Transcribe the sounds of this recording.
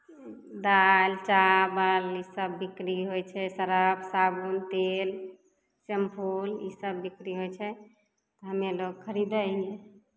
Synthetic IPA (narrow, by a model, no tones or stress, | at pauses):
d̪alt͡ʃabəlisəbːikɾiɦojt͡ʃʰɛsəɾəbsabunt̪el | səmpʰulisəbːikɾiɦojt͡ʃʰɛ | t̪ɔɦəmeloɡ̚kʰəɾid̪əɡe